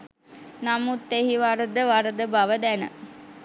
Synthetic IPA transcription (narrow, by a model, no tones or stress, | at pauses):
namut̪ːeɦiʋaɾəd̪əʋaɾəd̪əbɐʋəd̪ænə̰